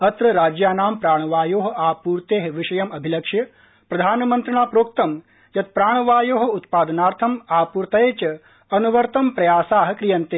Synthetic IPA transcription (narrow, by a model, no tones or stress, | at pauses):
ɐt̪ɾɐɾaːd͡ʒjaːnaːmpɾaːɳ̃ʋaːjoːɦɐaːpuːɾt̪eːɦʋiʃɐjɐmɐbʱilɐkʂjɐ | pɾɐd̪ʱaːnmɐnt̪ɾɐɳaːpɾoːk̚t̪ɐm | jɐt̪̚pɾaːɳ̃ʋaːjoːɦɐ̆ut̪paːd̪ɐnaːɾt̪ʰɐmaːpuːɾt̪ɐeːt͡ʃɐ | ɐnuʋɐɾt̪ɐmpɾɐjaːsaːɦɐkɾijɐnt̪eː